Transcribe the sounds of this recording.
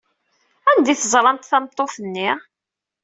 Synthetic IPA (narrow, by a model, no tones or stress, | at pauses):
ænd̪iθəzˤɾˤɑnt̪θɑmt̪ˤːoθənːi